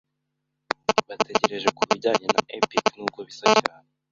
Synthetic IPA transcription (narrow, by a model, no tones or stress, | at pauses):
βatʰe̞ɟe̞ɾe̞ʒe̞kuβiɾɟaːɲe̞na̰ʔepiknukoβisacaːne